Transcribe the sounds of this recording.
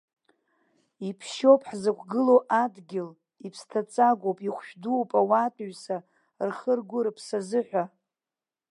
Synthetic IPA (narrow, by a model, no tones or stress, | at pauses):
ipʰʃo̞pʰʼħzɨkʷʰɡɨlowʔadɡʲɪl | ipʰstʰat͡sʼaɡʷowpʼiχʷʃᶣdupʼawatʼɥsa | rχərɡʷʊɾɨpʰsazɨħᶣʷa